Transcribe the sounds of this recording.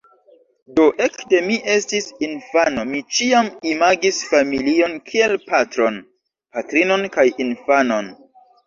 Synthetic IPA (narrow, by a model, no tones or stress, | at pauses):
do̞ʔe̞kde̞miʔe̞stisinfano̞mit͡ʃiamimaɡisfamilio̞nkʰie̞lpatɾo̞n | patɾino̞nkajinfano̞n